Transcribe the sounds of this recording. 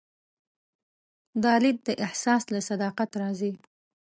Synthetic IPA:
d̪ɑlɪd̪̚d̪əʔɪhsɑslasad̪ɑqat̪ɾɑzi

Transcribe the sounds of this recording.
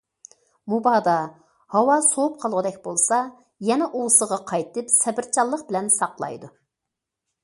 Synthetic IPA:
mubɑːd̪ɑ | hɑwɑsoup̚qʰɑlˠʁəd̪ɛk̚ʲbolˠsɑ | jɛnɛʔowsəʁɑqʰɑjt̪ɨpsɛbɪɾt͡ʃʰɑlˠːəqbɪlɛnsɑqlˠɑ̰jd̪u

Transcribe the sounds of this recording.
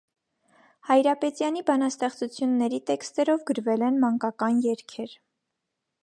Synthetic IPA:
hɑjɾɑpɛt̪jɑnibɑnɑst̪ɛχt͡sut͡sʰjunːɛɾit̪ɛkst̪ɛɾɔvɡəɾvɛlɛnmɑŋkɑkɑnjɛɾkʰɛɾ

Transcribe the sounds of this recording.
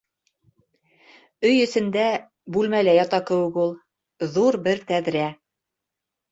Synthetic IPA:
ɵjɵ̆sɘ̆nd̪æ | bʉlmælæjɑt̪ɑkɘ̆wɘ̆kulˠ | ðuɾbɘɾt̪æðɾæ

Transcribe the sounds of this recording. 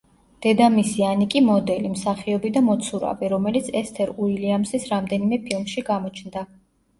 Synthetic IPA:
d̪̥ɛd̪amisianikʼimɔd̪ɛlimsaχiɔbid̪amɔt̪sʰuɾa̰viɾɔmɛlit̪sʰɛst̪ʰɛɾuiliamsisɾamd̪ɛnimɛpʰilˠmʃiɡamɔt͡ʃʰnd̪a

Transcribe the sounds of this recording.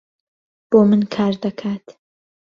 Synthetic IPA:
b̥oːmɨnkʰaːɾd̪ɐkʰaːt̪

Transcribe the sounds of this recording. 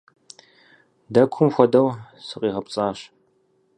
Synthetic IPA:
dɐkʷʰʊmxʷɔdɐw | sɨqʼiːʁɐpt͡sʼaːɕ

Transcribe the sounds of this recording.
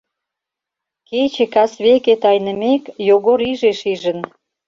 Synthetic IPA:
ket͡ɕĕkɑsβeket̪ɑjnə̆mekjoɣoɾiʒeʃiʒə̆n

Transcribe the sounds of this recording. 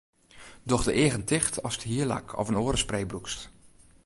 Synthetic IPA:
dɔxdəʔɪəɣəntɪxtʰɔ̰stəɦiəla̰kʰɔ̰vənoːɾəsprejbrukst

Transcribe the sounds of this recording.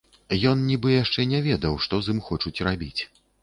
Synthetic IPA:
jɔnnʲibɨjaʂt͡ʂɛnʲɛvʲɛd̪ɐwʂt̪ɔzɨmxɔt͡ʂut͡sʲrabʲit͡sʲ

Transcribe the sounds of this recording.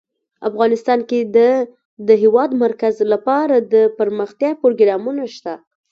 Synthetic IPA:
afɣɑnɪst̪ɑnked̪ə | d̪əɦewɑd̪maɾkazlapɑɾad̪əpəɾməxt̪jɑpoɾoɡɾɑmunaʃt̪a

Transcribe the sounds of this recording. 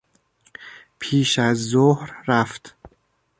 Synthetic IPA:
pʰiːʃæzːohɾɾæft̪

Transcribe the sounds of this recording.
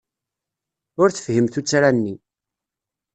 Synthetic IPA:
ʊɾθə̥fhəmθut͡sːɾænːi

